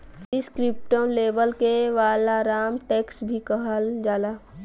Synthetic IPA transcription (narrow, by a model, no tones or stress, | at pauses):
ɪskɾɪp̚ʈõleːbəlkeʋaːlaɾaːmʈeːksbʱikəɦəld͡ʒaːlaː